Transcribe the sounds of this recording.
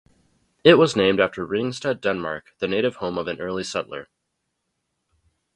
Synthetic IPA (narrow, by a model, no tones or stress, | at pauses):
ɪt̚wʌznẽɪ̃mdæftʰə˞ɹɪ̃ŋstʌdɛ̃nmɑ̰ɹk̚ðɨneɪɾɨv̥hõʊ̃mʌvɨ̃nɜ˞lˠisʌʔlə̰˞